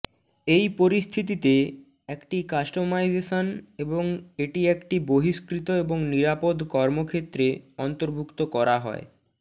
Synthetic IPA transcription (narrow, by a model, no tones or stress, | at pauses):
ejpoɾist̪ʰit̪it̪e | ekʈikasʈomajzeʃoneboŋeʈiekʈiboɦiskɾit̪oeboŋniɾapod̪kɔɾmokʰet̪ːɾeɔnt̪oɾbʱukt̪okɔɾaɦɔ̰e